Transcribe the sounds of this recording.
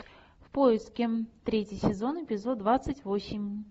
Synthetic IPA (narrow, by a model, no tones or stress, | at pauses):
fpo̞ɪst̪kʲɪt̪ɾʲetʲjɪjsʲɪzo̞nɪpʲɪzo̞d̪̚d̪vat̪sɨtʲvo̞sʲɪmʲ